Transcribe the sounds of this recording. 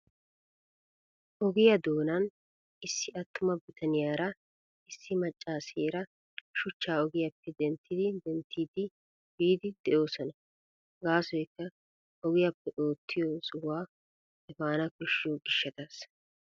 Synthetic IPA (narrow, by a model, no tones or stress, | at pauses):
ʔɔɡɪjɐd̪o̞ːnɐn | ɪsːɪɐt̪ːʊmɐbɪt̪ʰɐnɪjaːɾɐ | ɪsːɪmɐt͡ʃʼːaːseːɾɐ | ʃʊt͡ʃːaːɔɡɪjɐpːɛd̪ɛnt̪ʰːɪd̪ɪd̪ɛnt̪ːiːd̪ɪ | biːd̪ɪd̪ɛʔo̞ːsɔnɐ | ɡaːsɔjkːɐ | ɔɡɪjɐpːɛʔo̞ːt̪ːɪjosʊwaː | ɛfaːnɐkɔʃɪjoɡɪʃːɐt̪aːs